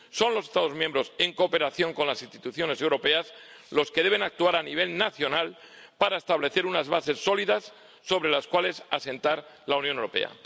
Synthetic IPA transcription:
so̞nlo̞sest̪aðo̞mjembɾo̞se̞ŋkoːpe̞ɾaθjo̞ŋko̞nlasinst̪it̪uθjo̞ne̞se̞wɾo̞pe̞as | lo̞ske̞ðe̞β̞enak̚t̪uaɾaniβ̞e̞lnaθjo̞nal | paɾaest̪aβ̞le̞θe̞ɾunazβase̞sːo̞liðasː | o̞β̞ɾe̞laskwale̞sase̞nt̪aɾlaunjõnewɾo̞pe̞̰a̰

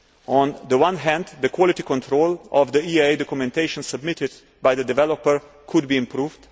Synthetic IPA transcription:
ɔ̃nðəwãnɦæ̃nd̪ðəkʰwɔlɪtikɔ̃ntʰɾoʊlɔvðəieɪdɔkjumɛ̃nteɪʃə̃nsəbmɪtɪd | baɪjðədɪvɛlɔpəɹ | kʰʊd̚biɪ̃mpʰɾuːvd

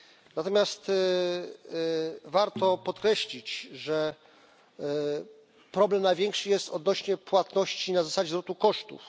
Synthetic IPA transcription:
nat̪ɔmʲjast̪ | vaɾt̪ɔpɔt̪kɾɛɕlʲit͡ɕʐɛ | pɾɔblɛmnajvʲjɛŋkʂɘjɛst̪ɔd̪nɔɕɲɛpwat̪nɔɕt͡ɕinazasad͡ʑɛzvɾɔt̪ukɔʂt̪ṵf

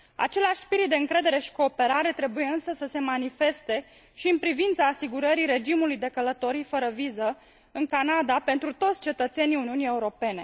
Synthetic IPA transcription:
a̰t͡ʃe̞laʃʲspiɾit̪̚d̪eɨŋkɾe̞d̪e̞ɾe̞ʃi̥ko̞ːpe̞ɾaɾe̞t̪ɾe̞buje̞ɨnsəsəse̞manife̞st̪e̞ | ʃiɨnpɾivint̪saːsiɡuɾəɾiɾe̞d͡ʒimulujd̪e̞kələt̪o̞ɾifəɾəvizə | ɨŋkanad̪ape̞nt̪ɾut̪ot̪sʲt͡ʃe̞t̪ət̪se̞niuniunije̞uɾo̞pe̞ne̞

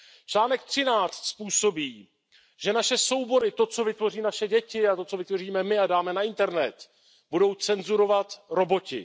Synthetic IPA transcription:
t͡ʃlaːnɛk̚t̪r̝̥ɪnaːt͡st̪spuːso̞biː | ʒ̥ɛnaʃɛso̞wbo̞ɾɪt̪o̞t͡so̞vɪt̪vo̞riːnaʃɛɟɛcɪat̪o̞t͡so̞vɪt̪vo̞riːmɛmɪadaːmɛnaɪnt̪ɛɾnɛt̪ | budo̞wt͡sɛnzuɾo̞vat̪ɾo̞bo̞cɪ̰

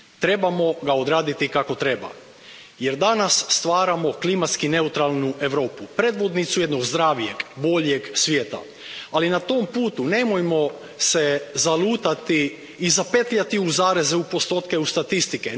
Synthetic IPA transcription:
t̪ɾe̞bamo̞ɡao̞d̪ɾaːd̪it̪ikako̞t̪ɾe̞ba̰ | je̞ɾd̪anasːt̪ʋaːɾamo̞klimat̪skine̞ut̪ɾalˠnue̞ʋɾo̞ːpupɾe̞ːd̪ʋo̞d̪nit̪sujed̪no̞ɡzd̪ɾaːʋije̞ɡbo̞ʎje̞ɡsʋjeːt̪a̰ | alinat̪ompuːt̪une̞mojmo̞ | se̞zalˠuːt̪at̪iː | zapet̪ʎat̪iuzaːɾezeupo̞st̪o̞ːt̪ke̞ust̪at̪ist̪ike

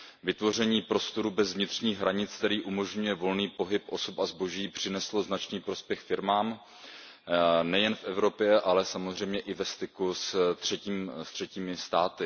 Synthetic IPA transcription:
vɪt̪vo̞r̝ɛɲiːpɾo̞st̪o̞ɾubɛzvɲɪt̪r̝̥ɲiːɣɦɾaɲɪt͡skt̪ɛɾiːʔumo̞ʒɲujɛvo̞lniːpo̞ɦɪpʔo̞sopazbo̞ʒiːpr̝̥ɪnɛslo̞znat͡ʃniːpɾo̞spjɛxfɪɾmaːm | nɛjɛnfʔɛvɾo̞pjɛʔalɛsamozr̝ɛjmɲɛʔɪvɛst̪ɪkust̪r̝̥ɛciːmst̪r̥ɛciːmɪst̪aːt̪ɪ

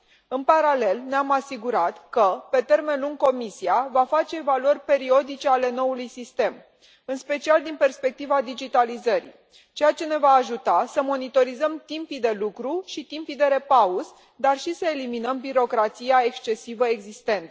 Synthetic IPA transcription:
ɨnpaɾale̞lneamasiɡuɾat̪kəpe̞t̪e̞rme̞nluŋɡ̚ko̞misiavafat͡ʃe̞ːvaluərʲpe̞ɾio̞d̪it͡ʃe̞ale̞no̞ulujsist̪e̞m | ɨnspe̞t͡ʃiald̪inpe̞rspe̞k̚t̪ivad̪id͡ʒit̪alizəɾḭ | t͡ʃe̞jat͡ʃe̞ne̞vaːʒut̪asəmo̞nit̪o̞ɾizəmt̪impid̪e̞lukɾuʃit̪impid̪e̞ɾe̞pauz | d̪arʃisəe̞liminəmbiɾo̞kɾat̪sijae̞kst͡ʃe̞sivəe̞ɡzist̪e̞nt̪ə

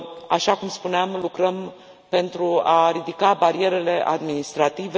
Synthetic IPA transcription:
aʃakumspuneamlukɾəm | pe̞nt̪ɾuaɾid̪ikabaɾie̞ɾe̞le̞ʔa̰d̪minist̪ɾat̪ive

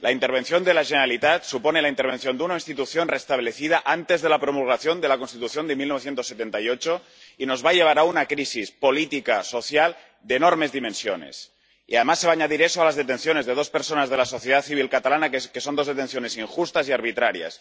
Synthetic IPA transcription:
laint̪e̞ɾβ̞e̞nθjo̞nd̪elaʒeneɾalit̪at̪suponelaint̪eɾβ̞e̞nθjo̞nd̪eunainst̪it̪uθjonrest̪aβle̞θið̞aʔant̪e̞zðe̞lapɾomulɣ̞aθjo̞nd̪e̞lakonst̪it̪uθjo̞nd̪emilnoθje̞nt̪osːet̪ent̪ajot͡ʃo | ino̞zβaʎe̞β̞aɾaunakɾisispolit̪ikaso̞θjal | d̪eːnoɾme̞zðimẽnsjone̞̰s | iaðemasːeβaːɲaðiɾesoalazðet̪e̞nθjo̞ne̞zðeð̞o̞speɾsonazðe̞laso̞θjeð̞aθiβ̞ilkat̪alanakesond̪ozðet̪e̞nθjone̞siŋxust̪asiaɾβ̞it̪ɾaɾja̰s

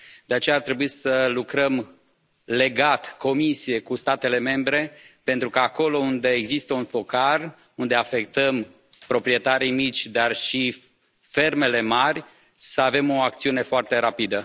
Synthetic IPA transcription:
d̪̥e̞at͡ʃe̞jaːrt̪ɾe̞buisəlukɾəm | le̞ɡat̪ko̞misije̞kust̪at̪e̞le̞me̞mbɾe̞pent̪ɾukaːko̞lo̞und̪e̞ːɡzist̪əunfo̞kar | und̪e̞afe̞k̚t̪əm | pɾo̞pɾie̞t̪aɾijmit͡ʃʲd̪arʃi | fe̞rme̞le̞marʲ | səave̞mo̞ak̚t̪siune̞foart̪e̞ɾapid̪ə

